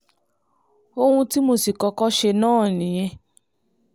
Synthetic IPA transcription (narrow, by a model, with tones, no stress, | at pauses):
o˧hũ˧ti˦mo˧si˨kɔ˧kɔ˦ʃe˧nãː˦˨nĩ˨j̃ɛ̃˧